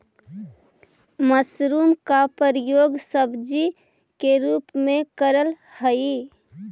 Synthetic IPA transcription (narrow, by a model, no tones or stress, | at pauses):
məsɾuːmkapəɾjoːɡsəbd͡ʒi | keɾuːpmẽkəɾəl | həi